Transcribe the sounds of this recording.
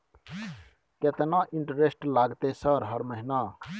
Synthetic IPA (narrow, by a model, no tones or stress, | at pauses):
ket̪enaʔiɳʈəɾesʈlaɡt̪esʌɾɦʌɾməɦina